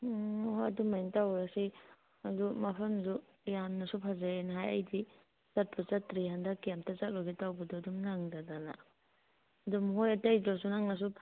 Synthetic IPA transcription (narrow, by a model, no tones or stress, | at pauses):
ɔɦadumːajntawɾasi | adumapʰɐmsu | janːasupʰazaenɦaja̰jdi | sat̚pʰbɯt͡ʃatɾihandakijamtʰat͡ʃak̚lɔɡitawbadɔadumnaŋdadana̰ | dumɦojatajdɾɔsunaŋnas̬u